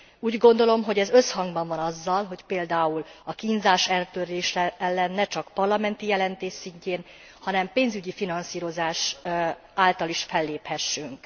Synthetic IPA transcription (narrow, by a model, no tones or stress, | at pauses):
uːɟɡo̞nd̪o̞lo̞mɦoɟɛzø̞shɒŋɡbɒɱvɒnɒzːɒlɦo̞cpeːld̪aːulɒkinzaːʃɛlt̪øreːʃɛɛlːɛnːɛt͡ʃɒkpɒrlɒmɛnt̪ijɛlɛnt̪eːʃsiɲceːn | hɒnɛmpeːnzyɟifinɒnsiːɾo̞zaːʃ | aːlt̪ɒliʃfɛlːeːphɛʃːyŋk